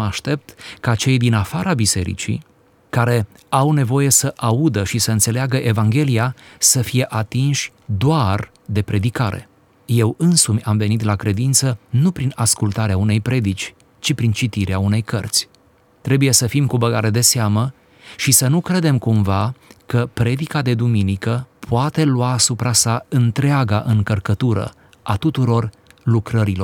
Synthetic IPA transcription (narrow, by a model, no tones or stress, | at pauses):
aʃt̪e̞p̚t̪kat͡ʃe̞jd̪inafaɾabise̞̰ɾḭt͡ʃḭ | kaɾe̞ | awne̞vo̞je̞səʔaud̪əʃisəɨnt̪se̞leaɡəʔevaŋɡʲe̞liasəfije̞ʔat̪inʃʲ | d̪oar | d̪e̞pɾe̞d̪ikaɾe̞̰ | je̞wɨnsumʲamve̞nit̪lakɾe̞d̪int̪sənupɾinaskult̪aɾeaune̞jpɾe̞d̪it͡ʃʲ | t͡ʃipɾint͡ʃit̪iɾeaune̞jkərt̪sʲ | t̪ɾe̞buje̞səfimkubəɡaɾed̪e̞seamə | ʃisənukɾe̞d̪e̞mkumvakəpɾe̞d̪ikad̪e̞d̪uminikəpʰoat̪e̞luaːsupɾasaɨnt̪ɾeaɡaʔɨŋkərkət̪uɾə̰ | at̪ut̪uɾo̞r | lukɾəɾilo̞r